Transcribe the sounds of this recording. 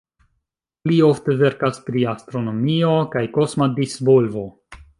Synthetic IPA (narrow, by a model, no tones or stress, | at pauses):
plio̞fte̞ve̞ɾkaspɾiast̪ɾo̞no̞mio̞kajko̞smadisvo̞lvo̞